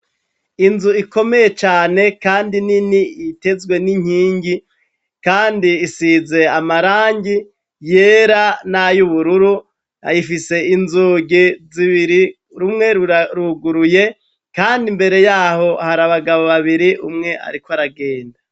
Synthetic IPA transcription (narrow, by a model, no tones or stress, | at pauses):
inzuiko̞me̞je̞t͡ʃaːne̞kaːndininiite̞zɡwe̞niɲ̥hiːɲɟi | kaːndiːsize̞amaɾaːɲɟi | je̞ːɾanajuβuɾuɾu | aifise̞inzuɟiziβiɾi | ɾumŋe̞ɾɾuɡuɾuje̞ | kaːndimbe̞ɾe̞jaːho̞haɾaβaɡaβo̞βaβiɾiʔumŋe̞ʔa̰ɾikwoaɾaɡe̞ːnda